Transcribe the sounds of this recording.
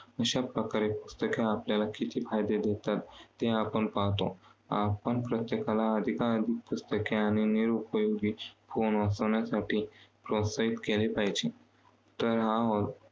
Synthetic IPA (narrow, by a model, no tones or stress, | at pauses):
əɕapɾəkaɾepust̪əkeapljalakit̪ʰiːfajd̪ed̪et̪at̪ːeapəɳpaɦt̪oapəɳpɾət̪jekalaəd̪ʱikaəd̪ʱik̚pust̪əkeaɽ̃iniɾupəjoɡifonɔsəʋɳjasaʈiːpɾosait̪kelepajd͡ʑi | t̪əɾɦaɦot̪